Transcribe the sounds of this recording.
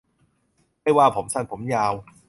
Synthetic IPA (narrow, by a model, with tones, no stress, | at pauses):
ma˥˩jwaː˥˩pʰo˩˦msa˥˩npʰo˩˦mjaː˧w